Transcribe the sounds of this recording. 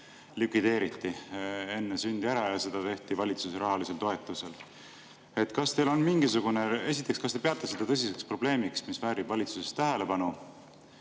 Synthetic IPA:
lykvid̪̥e̞ːɾit̪ːie̞nːesynʲd̪iæɾɑjɑse̞d̪ɑt̪e̞ht̪ivɑlʲit̪suseɾɑɦɑlise̞lt̪o̞e̞t̪ːˑuse̞l | e̞t̪ːkɑst̪e̞jlo̞nmiŋɡ̥isuɡ̥unee̞sit̪ːˑekskɑst̪e̥pe̞ɑt̪ːˑɑsed̪̥ɑt̪ɤs̬ise̞kspro̞b̥le̞ːmiksmisvæːɾib̥vɑlʲit̪susest̪æɦe̞le̞pɑnu

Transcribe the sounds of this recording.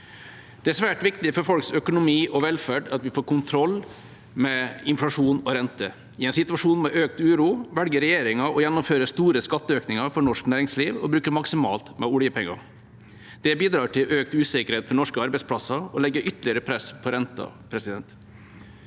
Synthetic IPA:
d̪̥ɛæsʋæːʈʋɪkt̪ɪfɔɾfɔlksœkʊnʊmiːʔɔʋɛlfæːɖɑt̪ʋɪfoːɾkʊnt̪ʰɾɔlː | mɛɪnflɑʂuːnɔɾɛnt̪ə | ɪɛnsɪt̪ʉɑʂuːnmɛʔøːkt̪ʉːɾuːʋɛlɡəɾɛjeːɾɪŋɑɔjɛnːʊmføːɾəst̪uːɾəskɑt̪ːəøːknɪŋɑɾfɔɾɳɔʂknæːɾɪŋsliːʋɔbɾʉːkəɾmɑksɪmɑ̰ːlt̪mɛ̰ʊlɪjəpʰɛŋːɑ̰ | d̪̥ɛbiːd̪ɾɑːʈʰɪlʔøːkt̪ʉːsɪkəɾheːt̪fɔɾɳɔʂkəɑɾbɛɪspʰlɑsɑɔlɛɡːəʔʏt̪ːəɭɪəɾəpʰɾɛspʰɔɾɛnt̪ɑ̰pʰɾɛsɪd̪ɛnt̪

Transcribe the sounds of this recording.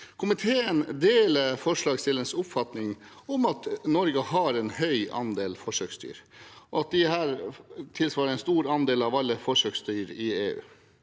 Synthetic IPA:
kʰʊmɪt̪ʰeːənd̪eːləfɔʂɭɑːɡst̪ɪlənsʊpfɑt̪nɪŋ | ɔmɑt̪nɔɾɡəhɑɾɛnhœʏʔɑ̰nd̪eːlfɔʂøkst̪y̰ːɾɔɑt̪̚d̪ɪhæːɾt̪ʰɪlsʋɑːɾəɛnst̪uːɾɑnd̪eːlɑʋɑlːəfɔʂøːkst̪yːɾɪeːʉ̰ː

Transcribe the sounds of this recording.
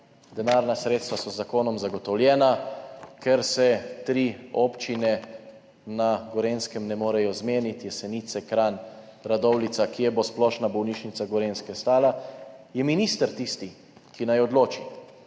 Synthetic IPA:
d̪ɛnaːɾnasɾeːt̪st̪ʋasɔzːakoːnɔmzaɡɔt̪ɔwljɛːnakʰɛɾsɛt̪ɾiɔpt͡ʃinɛ | naɡɔɾeːnskɛmnɛmoːɾɛjɔzmeːnit̪jɛsɛnit̪sɛkɾaːn | ɾad̪ɔwlit̪sakijɛbosplɔːʃnabɔwniʃnit̪saɡɔɾeːnskɛst̪aːlajɛminist̪əɾt̪ist̪i | kinajɔd̪loːt͡ʃi

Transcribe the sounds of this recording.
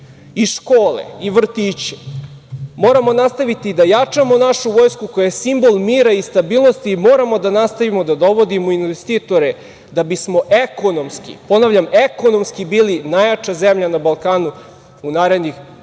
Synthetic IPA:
iʃkoːlḛiʋr̩t̪iːt͡ɕe̥ | mo̞ːɾamo̞nast̪aʋit̪id̪ajat͡ʂamo̞naʃuʋoːjskukojaesimbo̞lˠmiːɾaist̪abiːlˠno̞st̪imo̞ːɾamod̪anast̪aʋimo̞d̪ad̪o̞ʋo̞d̪imoinʋest̪iːt̪o̞ɾe | d̪abismo̞ʔeko̞no̞mskḭpo̞naːʋʎameko̞no̞mskibiːlinajat͡ʂazemʎanabalˠkaːnu | unaːɾe̞d̪nix

